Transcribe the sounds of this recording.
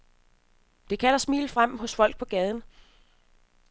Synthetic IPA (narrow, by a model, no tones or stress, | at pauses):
d̥e̝kʰæl̰ɐsmḭːlfʁam̰ɦɔ̽sfɒ̽l̰ɡ̥̚pʰɒ̽ɡ̥ɛːð̞ˠn̩